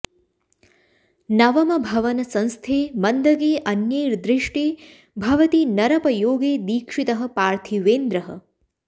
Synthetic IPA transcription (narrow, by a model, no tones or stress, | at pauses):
nɐʋɐmɐbʱɐʋɐnɐsɐ̃nst̪ʰeːmɐnd̪ɐɡeːʔɐnjeːɾd̪ɾɪʂʈeː | bʱɐʋɐt̪inɐɾɐpɐjoːɡeːd̪iːkʂit̪ɐɦɐ̆paːɾt̪ʰiʋeːnd̪ɾɐɦɐ̰